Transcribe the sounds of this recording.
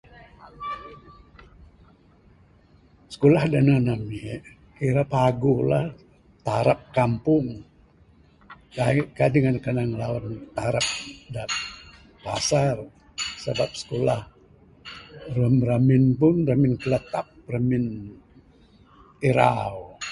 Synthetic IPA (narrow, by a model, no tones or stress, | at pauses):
sə̥kolahdananami | kiɾapaɡolah | t̪aɾap̚kampʊŋ | akadəŋankanaŋlawant̪aɾap̚da | pa̰sar | səbap̚sə̥kolah | rəmɾamɪnpʊnramɪnkələt̪ap̚ramɪn | iɾa̰w